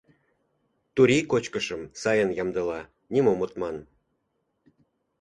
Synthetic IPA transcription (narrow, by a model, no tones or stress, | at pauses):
t̪uɾʲikot͡ɕkəʃəmsɑjənjɑmd̪əlɑ | nʲimomot̪mɑn